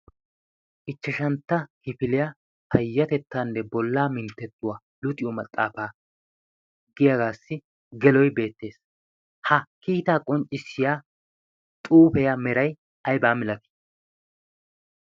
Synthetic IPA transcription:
ʔɪt͡ʃːɐʃɐnt̪ːɐhɪfɪlɪja | hɐjːɐt̪ɛt̪ːaːnːɛbɔlːaːmɪnt̪ːɛt̪ːʊwaː | lʊt̪ʼɪjɔmɐt̪ʼːaːfaː | ɡɪjɐɡaːsːɪ | ɡɛlɔjbe̞ːt̪ːe̞ːs | hɐkiːt̪aːkʼɔnt͡ʃʼːɪsːɪjaː | t̪ʼuːpɛjɐmɛɾɐj | ɐjbaːmɪlɐkɪ̥

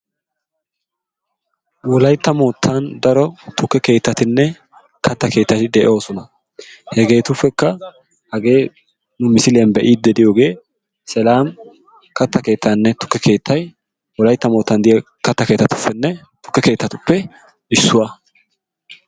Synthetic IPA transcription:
wɔlɐjt̪ːɐmo̞ːt̪ʰːɐnd̪ɐɾɔt̪ʊkːɛke̞ːt̪ːɐt̪ɪnːɛ | kʰɐt̪ːɐke̞ːt̪ːɐt̪ɪd̪ɛʔɛo̞ːsɔnɐ | hɛɡe̞ːt̪ʊfːɛkːɐ | hɐɡe̞ː | nʊmɪsɪlɐnbɛʔiːd̪ːɛd̪ɪjo̞ːɡe̞ː | sɛlaːm | kɐt̪ːɐke̞ːt̪ːanːɛt̪ʊ̥kːɛke̞ːt̪ʰːɐj | wɔlɐjt̪ːɐmo̞ːt̪ːɐnd̪ɪjɛ | kɐt̪ːɐke̞ːt̪ːɐt̪ʊ̥fːɛnːɛ | t̪ʊ̥kːɛke̞ːt̪ːɐt̪ʊpːɛ | ɪsːʊwa

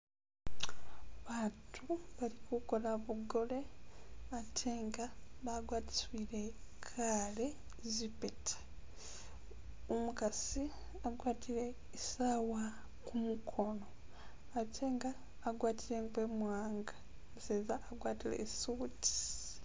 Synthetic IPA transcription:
βaːtʰuβalikuko̞laβuɡo̞le̞atʰeːŋɡaβaɡwaːti̥swilekʰaːle̞ | zipetʰḁ | omukasi | aɡwaːtile̞ | isawa | kumukʰo̞no̞ | atʰe̞ːŋɡaː | ɡwaːtiɾeːŋɡwemwaːŋɡḁ | seːzaːɡwaːtilḛsuːti̥

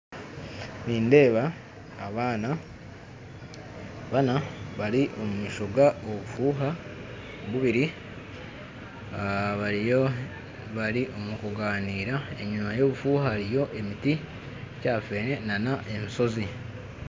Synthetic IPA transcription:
niːnde̞ːβaː | βaːna | βanaβaɾiʔo̞mumiːʃo̞ɡaoβufuːɦa | βuβiɾi | βao | βaɾiʔo̞mukoɡaːniːɾae̞ɲumajo̞ːβufuːhahaɾijo̞ʔe̞miti | caːfe̞ːne̞nanaʔe̞miso̞zi

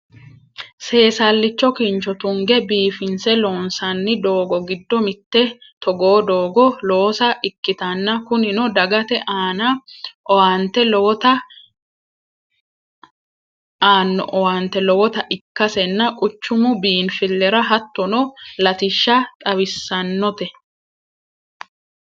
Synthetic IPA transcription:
se̞ːsalːɪt͡ʃːɔkint͡ʃɔt̪ʊŋɡɛbiːfɪnsɛlo̞ːnsɐnːɪd̪o̞ːɡɔɡɪd̪ːɔmɪt̪ːɛt̪ɔɡo̞ːd̪o̞ːɡɔlo̞ːsɐʔɪkːɪt̪ɐnːɐkʊnɪnɔd̪ɐɡɐt̪ɛʔaːnɐʔɔwant̪ɛlɔɔt̪ɐ | aːnːɔ̰ʔɔwɐnt̪ɛlɔwɔt̪ɐʔɪkːɐsɛnːɐkʼʊt͡ʃːʊmʊbiːnfɪlːɛɾɐɦɐt̪ːɔnɔlɐt̪ɪʃːɐt̪ʼɐβɪsːɐnːɔt̪ɛ

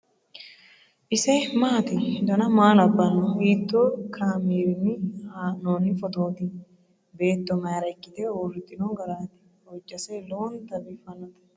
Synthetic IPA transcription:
ʔɪsɛmaːt̪ɪd̪ɐnɐmaːlɐbːɐnːɔiːt̪ːoːkʰaːmeːɾɪnːɪhaːnoːnːɪfɔt̪oːt̪ɪ | be̞ːt̪ːɔmɐjɾɐkʼːɪt̪ɛwoːrɪt̪ʼːɪnoːɡɐlaːt̪ɪ̥ | ɔd͡ʒːɐsɛloːnt̪ɐbiːfɐnːɐt̪

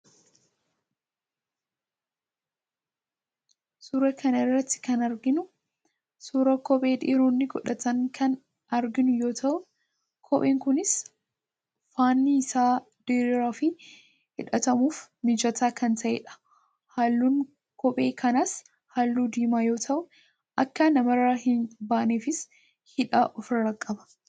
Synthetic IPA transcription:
suːɾɐkʰɐnɐɪrːɐt̪ːɪ̥kɐnɐɾɡɪnʊ | suːɾɐkɔpʼe̞ːd̪iːɾoːnːɪɡɔᶑɐt̪ɐŋkʰɐn | ɐɾɡɪnʊjo̞ːt̪ʰɐʔʊ | kʰɔpʼeːŋkʊnɪs | faːnːiɪsaː | d̪̥iːɾɪɾaːfɪ | hɪᶑɐt̪ɐmuːfmɪd͡ʒɐt̪ʰaːkʰɐnt̪ʰɐʔḛːᶑɐ̥ | haːlːuːn | kʰɔpʼe̞ːkʰɐnɐs | haːlːuːd̪iːmaːjo̞ːt̪ʰɐʔʊ | ʔɐkːɐnɐmɐɾahɪnbaːʔneːfɪs | hɪᶑaːʔɔfɾɐɾɐkʼːɐbɐ̥

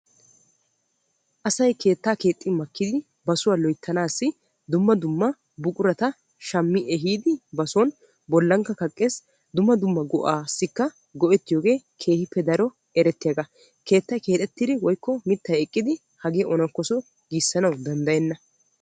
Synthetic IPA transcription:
ʔɐsɐjke̞ːt̪ːaːke̞ːt̪ʼːɪmɐkːɪd̪ɪ | bɐsʊwaːlɔjt̪ːɐnaːsːɪ | d̪ʊmːɐd̪ʊmːɐ | bʊkʼʊɾɐt̪ɐ | ʃɐmːɪʔɛɦiːd̪ɪbɐsɔn | bɔlːɐŋkːɐkɐkʼːe̞ːs | d̪ʊmːɐd̪ʊmːɐɡɔʔaːsːɪkːɐ | ɡɔʔɛt̪ːɪjoːɡe̞ːkʰe̞ːhɪpːɛd̪ɐɾɔ | ɛɾɛt̪ːɪjɐɡɐ | ke̞ːt̪ːɐjke̞ːt̪ʼɛt̪ːɪd̪ɪwɔjkːɔmɪt̪ːɐjɛkʼːɪd̪ɪ | hɐɡeːʔɔnɐkːɔsɔ | ɡiːsːɐnɐwd̪ɐnd̪ɐjɛnːɐ

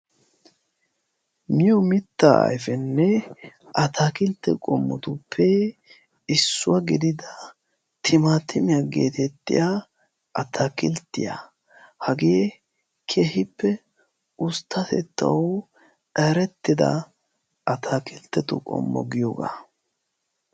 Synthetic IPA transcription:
mɪjɔmɪt̪ːaʔɐ̰jfɛnːɛ | ʔɐt̪ʰaːkɪlt̪ːɛ̰kʼɔmːɔt̪ʊpʰːɛ | ɪsːʊwaɡɪd̪ɪd̪ɐ | t̪ʰɪmaːt̪ʰːɪmɪjaɡḛːt̪ɛt̪ːɪ̰ja | ʔɐt̪ʰakɪlt̪ːɪja̰ | hɐɡe | kʰeːhɪpːɛ | ʊst̪ːɐt̪ɛ̰t̪ːɐ̰w | ɛɾɛt̪ːɪd̪ɐ̰ | ʔɐt̪ʰaːkɪlt̪ːɛt̪ʊ̰kʼɔ̰mːɔ̰ɡɪjoːɡa̰

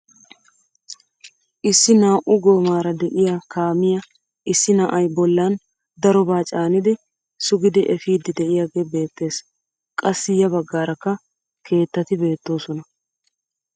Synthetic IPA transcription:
ʔɪsːɪnaːʔʊɡo̞ːmaːɾɐd̪ɛʔɪjakaːmɪjɐ | ʔɪsːɪnaːʔɐjbɔlːan | d̪ɐɾɔbaːt͡ʃʼaːnɪd̪ɪ | sʊɡɪd̪ɪʔɛfiːd̪ɪd̪ɛʔɪjaːɡeːbe̞ːt̪ːe̞ːs | kʼɐsːɪjɐbɐɡːaːɾɐkːɐ | kʰe̞ːt̪ːɐt̪ɪbe̞ːt̪ːo̞ːsɔnɐ

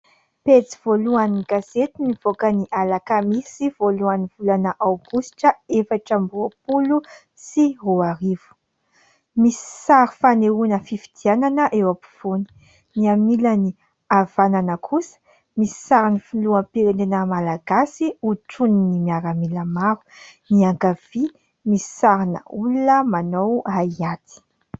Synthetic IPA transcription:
pet͡siv̥oluaniɡazet̪iniv̥okəniʔalakəmisiv̥oluaniv̥ulanəʔawɡusi̥ʈ͡ʂəefaʈ͡ʂəmbuəpulu | siroaɾivu̥ | misi̥saɾifaneunəfifid̪̥iananəʔewapi̥v̥oni̥ | niamilani | avananəkʰusə̥ | misi̥saɾinifiuluəmpiɾenenəmalaɡasiuʈ͡ʂuninimiaɾamiləmaɾu̥niaŋɡav̥i | misi̥saɾinə̰ulunəmanowaiat̪i̥

